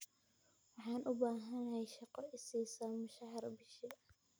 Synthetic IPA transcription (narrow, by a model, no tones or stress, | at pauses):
wɑħɑːnʔʊbaːɦɐnɐhɛjʃɑqɔʔɪsiːsamʊʃɐɦɑrbɪʃɪ